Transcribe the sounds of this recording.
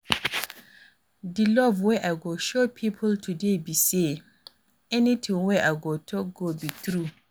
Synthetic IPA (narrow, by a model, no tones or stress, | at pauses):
dilɔvwɛʔaɡoʃopʰipʰʊltʰudebise | ɛnĩtʰɪ̃ŋwɛʔaɡotʰɔɡobitʰɾu